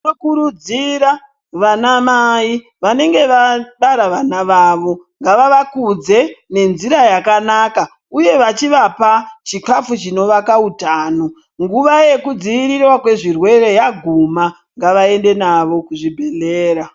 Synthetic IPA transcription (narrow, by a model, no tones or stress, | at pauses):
nokuɾud͡ziɾa | ʋanamai | ʋane̞ŋɡe̞ʋaɗaɾaʋanaʋaːʋo̞ŋɡaʋaʋakud͡ze̞ne̞nziɾajakanaka | uje̞ʋat͡ʃiʋapat͡ʃikafut͡ʃino̞ʋakautaːno | ŋɡuʋaje̞kud͡ziʋiɾirwakwe̞ʐirwe̞re̞jaɡʱuma | ŋɡaʋae̞nde̞naʋo̞kuʐibʱe̞leːɾa